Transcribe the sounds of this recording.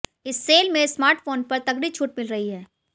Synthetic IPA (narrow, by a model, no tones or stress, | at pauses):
ɪsːeːlmẽsmaːɾʈfoːnpɐɾt̪ɐɡɽit͡ʃʰuːʈ̚mɪlɾɐɦiɦɛː